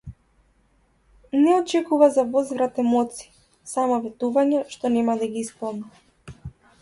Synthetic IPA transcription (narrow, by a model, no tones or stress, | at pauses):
nɛɔt͡ʃɛkuvazavɔzvɾat̪ɛmɔt̪si̥ | samɔvɛt̪uvaɲɛʃt̪ɔnɛmad̪aɡiispɔlˠna